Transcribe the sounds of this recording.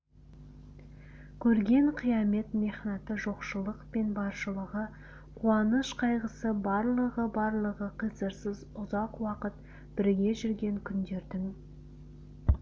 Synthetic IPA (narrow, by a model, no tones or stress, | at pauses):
kʲʰɵɾɡʲe̞ɴqʰijɑme̞t̪me̞χnɑt̪əʒo̞qʃəlˠəqpe̞nbɑɾʃəlˠəʁə | qʰuɑnəʃqʰɑjʁəsəbɑɾlˠəʁəbɑɾlˠəʁəqʰəjzəɾsəzʊzɑqwɑqət̪ | b̥ɪɾɡʲe̞ʒʏɾɡʲe̞ŋkʲʰʏnd̪e̞ɾd̪ɪŋ